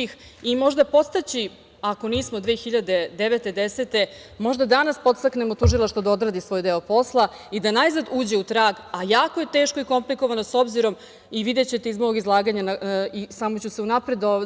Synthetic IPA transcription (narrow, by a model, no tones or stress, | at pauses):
ix | imo̞ʒd̪apo̞t̪st̪at͡ɕi | ako̞niːsmo̞d̪ʋeːxiʎad̪e̞d̪eʋet̪e̞d̪ese̞t̪e̞mo̞ʒd̪ad̪anaspo̞t̪st̪akne̞mo̞t̪uʒilˠaʃt̪vod̪ao̞d̪ɾaːd̪isʋo̞ːjd̪e̞opo̞slˠa | id̪anajzad̪uːd͡ʑeut̪ɾaːɡajaːko̞je̞t̪e̞ːʃko̞iko̞mpliko̞ʋano̞so̞bziɾo̞m | iʋid̪et͡ɕe̞t̪eizmooɡizlˠaːɡaɲanaisamot͡ɕuse̞unapɾe̞d̪o